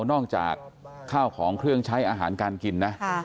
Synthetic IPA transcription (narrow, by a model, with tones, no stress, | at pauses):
wnɔː˥˩k̚t͡ɕa̰ː˨˩kʰːaː˥˩wkʰɔː˩˦ŋkʰɾɯ˥˩əŋt͡ɕʰa˦˥jʔaː˧ɦaː˩˦nkaː˧nki˧nːa˦˥ʔ